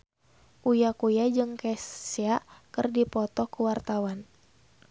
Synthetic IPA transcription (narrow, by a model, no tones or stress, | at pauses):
ʔujakujad͡ʒɨŋkɛseakɨrdipɔt̪ɔkuwart̪awan